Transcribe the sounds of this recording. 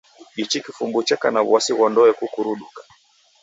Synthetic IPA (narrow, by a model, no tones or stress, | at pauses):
ɡit͡ʃikifumɡut͡ʃɛkanaβasiɣɔndɔɛkukuɾuɗukḁ